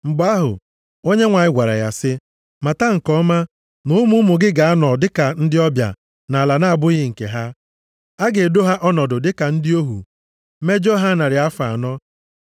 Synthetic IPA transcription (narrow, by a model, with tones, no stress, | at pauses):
ŋ͡m̩˨ɡ͡ba˦ɦʊ̰˨ | o˦ɲe˦ŋʷa˨ɲɪ˦ɡʷa˨ɾa̰˨ja˨sɪ˦ | ma˨ta˦ŋ̩˨kɔ˦ma˦ | nʊ˦mʊ˦mʊ˨ɡɪ˦ɡa˨a˦nɔ˨dɪ˦ka˨n̩˦dɪ˦ɔ˦bja̰˨ | na˨la˨na˦a˨bʊ˦ɣɪ˦ŋ̩˨kḛ˨ɦa˦ | a˦ɡe˨do˦ɦa˦ʔɔ˦nɔ˨dʊ˨dɪ˦ka˨n̩˦dɪ˦o˦ɦṵ˨ | me˦d͡ʒo˦ɦa˦na˨ɾɪ˨a˦fa˨a˨nɔ˦